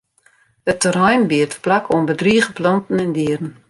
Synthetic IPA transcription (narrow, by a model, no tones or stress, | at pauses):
ətərɛjnbiətplakʰoənbədriəɣəplɔntn̩ɛndiərn̩